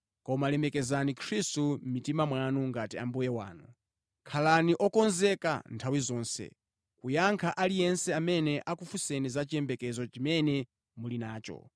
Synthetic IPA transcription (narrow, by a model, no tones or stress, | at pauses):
kɔmalɛmɛkɛzanikʰɾistum̩mitimamwanuŋɡatia̰mbujɛwa̰ːnu | kʰalaniʔɔkɔnzɛka̰ntʰawizɔːnsɛ̰ | kujaŋkʰaʔalijɛnsɛamɛnɛʔakufusɛnizat͡ʃijɛmbɛkɛzɔt͡ʃimɛnɛ | mulinaːt͡ʃɔ̰